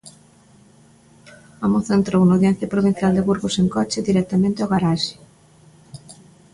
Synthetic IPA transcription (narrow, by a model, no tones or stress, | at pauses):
amoθent̪ɾownowðjɛn̟θjɐpɾoβin̟θjald̪ɪβuɾɣoseŋkɔt͡ʃɪðiɾɛk̚t̪amẽnt̪eɔɣaɾaʃi̥